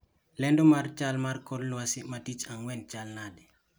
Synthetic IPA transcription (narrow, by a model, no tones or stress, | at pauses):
lɛndomaɾt͡ʃalmaɾkɔlnuwasimatit͡ʃaŋwɛnt͡ʃalnadi